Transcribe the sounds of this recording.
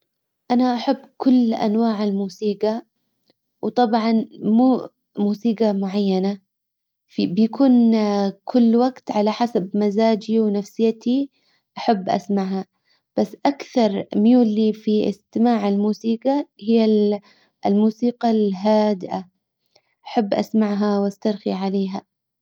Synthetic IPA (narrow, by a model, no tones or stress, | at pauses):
ʔanaʔaħabːkʊlːʔa̰nwaːʕalmuːsiːɡɑ | wt̪ˤɑbʕɑnmuː | muːsiːɡɑmʊʕajːana | fibɪjakuːnkʰʊlːwaɡt̪ʕalaħasabmazaːd͡ʒiwnafsɪjːat̪i | ʔaħabːʔa̰smaʕɦa | b̥asːʔakθɑɾˤmjuːlifiɪ̰st̪ɪmaːʕɪlmuːsiːɡahɪjːa | lmuːsiːɡalɦaːd̪ɪʔa | ʔaħabːʔa̰smaʕɦawʔast̪ɑɾxiʕaleːɦa